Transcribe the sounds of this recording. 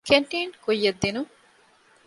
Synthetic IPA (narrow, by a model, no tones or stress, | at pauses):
keɳʈiːnkujːɐd̪ːinu